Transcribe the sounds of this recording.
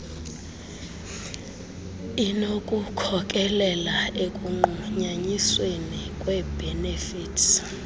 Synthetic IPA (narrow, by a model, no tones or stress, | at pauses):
inokʼukʰɔk̬ʼɛlɛlaekʼuŋ͡ǃuɲaɲiswenikʼwɛbʱɛnefiːtʰ